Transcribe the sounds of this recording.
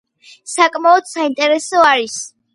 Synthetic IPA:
sakʼmaɔd̪̥saint̪ʼɛɾɛsɔaɾis

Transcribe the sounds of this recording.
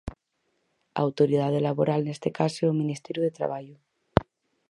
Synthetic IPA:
a̰awt̪oɾiðað̞elaβoɾalnest̪ekaseomĩnist̪eɾjuðet̪ɾa̰β̞aʎo

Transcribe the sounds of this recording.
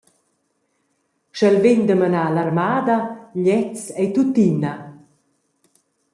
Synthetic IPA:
ʃɛlveɲd̪əmanalarmaːd̪aʎɛt͡sɛjt̪ut̪ina

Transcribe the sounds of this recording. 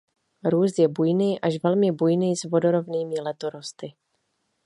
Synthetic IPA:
ɾuːst̪jɛbujniːʔaʃvɛlmɪbujniːzvo̞doɾovniːmɪlɛt̪oɾost̪ɪ

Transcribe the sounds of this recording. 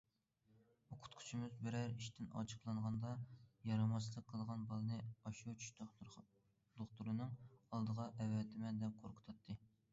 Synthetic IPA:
oqʰʊ̥t̪qʰu̥t͡ʃʰimɪzbɪɾæɾiʃt̪ɪnɑ̰t͡ʃʰə̥qlˠɑɴʁɑnd̪ɑjɑɾɑmɑslˠəq̚ʰːəlˠʁɑnbɑlˠɨnɨɑʃut͡ʃʰy̥ʃt̪ | d̪̥oqt̪uɾɨnɨŋɑlˠd̪əʁɑʔɛwːɛt̪ʰɪmɛd̪ɛp̚qʰoɾqʰə̥t̪ʰɑt̪ʰːɨ

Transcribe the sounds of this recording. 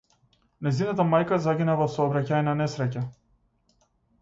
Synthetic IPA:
najzinat̪amajkazaɡʲinavasɔːbɾacaɛnanɛsɾɛca

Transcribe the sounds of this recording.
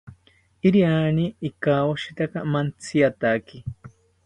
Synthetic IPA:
iɾianiːkawoʃit̪akamant͡sʰiat̪aki

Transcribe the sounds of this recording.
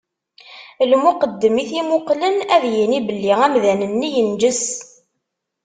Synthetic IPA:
lmʊqəd̪ːəmiθimʊqlənæðjənibəlːiʁæmðænənːijənd͡ʒəs

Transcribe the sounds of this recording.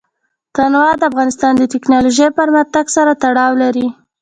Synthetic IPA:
t̪anwɑd̪əafɣɑnɪst̪ɑnd̪ət̪ɪknɑloʒəjpəɾmaxt̪aɡsaɾat̪aɽɑwlaɾi

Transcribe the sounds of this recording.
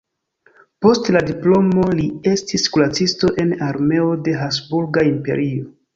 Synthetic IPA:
po̞stladiplo̞mo̞lie̞stiskulat͡sisto̞ʔe̞naɾme̞ode̞ɦasbuɾɡaimpe̞̰ɾʔio̞

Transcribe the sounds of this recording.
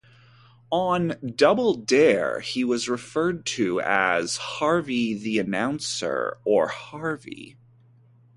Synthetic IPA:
ə̃ndʌbl̩ˠdɛɹiwʌzɹɨfɜ˞d̚tʰɨɨ̰z̥hɑɹviðiɨnãʊ̃nsə̰˞ə˞hɑɹvḭ

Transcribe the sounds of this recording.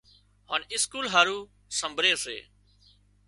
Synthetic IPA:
haːnɪskuːlɦaːɾuː | səmbʱɾeːsḛː

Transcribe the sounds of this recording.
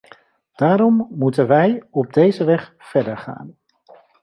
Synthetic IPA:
d̥aːɾɔmːutənʋɛjɔb̚dejzəʋɛχ | fɛɹdəɹχa̰ːn

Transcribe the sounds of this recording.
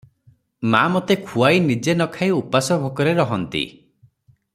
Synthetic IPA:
ma̰mot̪ekʰuajnid͡ʒenɔkʰajupasɔbʱɔkɔɾeɾɔɦɔnt̪ḭ

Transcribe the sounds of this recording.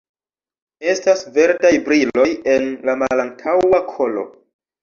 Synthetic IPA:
e̞stasve̞ɾdajbɾilo̞je̞nlamalantʰawakʰo̞lo̞̰

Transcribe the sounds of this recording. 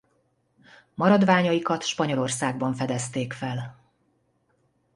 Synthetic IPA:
mɒɾɒd̪vaːɲɒjikɒt̪ʃpɒɲo̞lo̞rsaːɡ̚bɒɱfɛd̪ɛst̪eːkfɛl

